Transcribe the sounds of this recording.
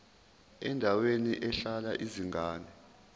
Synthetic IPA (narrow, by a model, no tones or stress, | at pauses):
ɛndʱaweniʔɛɬalaʔiziŋaːnɛ